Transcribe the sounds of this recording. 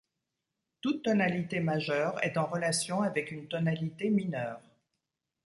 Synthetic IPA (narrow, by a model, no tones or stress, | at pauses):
t̪ut̪ːɔnalit̪emaʒœːʁɛ̰t̪ɑ̃ʁəlasjɔ̃avɛkynt̪ɔnalit̪eminœːʁ